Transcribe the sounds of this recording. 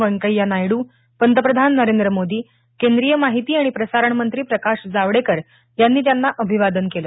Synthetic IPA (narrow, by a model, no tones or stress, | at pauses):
ʋəɳkəjanajɽuː | pənd̪əpɾəd̪ʱanːəɾend̪ɾəmod̪iː | kend̪ɾijəmaɦit̪iːaɽ̃ipɾəsaɾəɳmənt̪ɾiːpɾəkaɕd͡zaʋɽekəɾ | janːiːt̪̬janːaʔəbʱiʋad̪ənkeləː